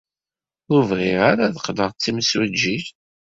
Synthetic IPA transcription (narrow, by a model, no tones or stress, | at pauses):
ʊɾvʁɪʁaɾaðqd̪əʁˤt͡sːimswæd͡ʒːiç